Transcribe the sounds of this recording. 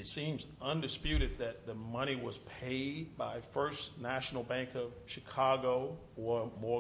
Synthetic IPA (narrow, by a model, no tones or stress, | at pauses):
ɨtsĩmzʌ̃ndɨspjʉɾɨd̪̚ðɨt̪̚ðɨmʌɾ̃iwʌz̥pʰeɪd̚baɪfɜ˞snæʃn̩l̩ˠbæ̃ŋkʌv̥ʃɨkʰɑɡoʊ | ə˞mɔ